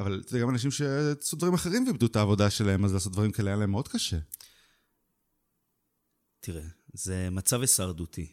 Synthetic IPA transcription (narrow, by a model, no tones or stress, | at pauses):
avalt̪deɡamanaʃ̬imʃe̞asutd̪vaʁimaχeʁimveibd̪ut̪aːvo̞daʃe̞lahe̞mazlaːsot̪̚d̪vaʁimkaleanlaemːeo̞d̪̚kaʃe | t̪ʰiʁezemat͡savesaʁd̪ut̪ʰi